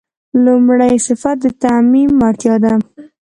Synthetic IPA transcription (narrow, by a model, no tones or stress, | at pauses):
lʊmɽajsɪfat̪̚d̪ət̪amimːɑɾt̪jɑd̪a